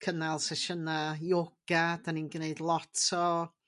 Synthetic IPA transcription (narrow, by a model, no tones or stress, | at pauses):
kʰənalˠsɛʃənajoɡ̥adaniːnɡneɨdlˠɔtʰɔ